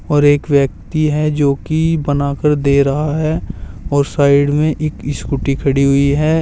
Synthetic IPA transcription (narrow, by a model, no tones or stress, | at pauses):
ɔːɾeːkʋjək̚t̪iɦɛd͡ʒoːkibənaːkəɾd̪eːɾɐɦaɦɛːɔːɾsaːɪɖmẽʔeːkɪskʊʈikʰɐɽiɦʊiɦɛː